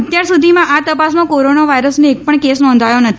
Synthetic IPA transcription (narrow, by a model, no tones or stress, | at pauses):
ət̪jaɾsud̪ʱimãʔat̪əpas̬mãkoɾonaʋaiɾəsneːk̚pəɳkesnɔ̃nd̪ʱajonət̪ʰ